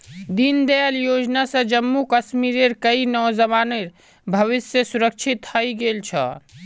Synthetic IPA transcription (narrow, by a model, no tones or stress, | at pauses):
d̪ind̪eljoːd͡ʒnasə̃d͡ʒəmːukəʃmiɾeɾkəinɔːzəmaːneɾ | bʱəʋɪsjəsuɾək̚t͡ʃʰit̪həiɡelt͡ʃʰə̰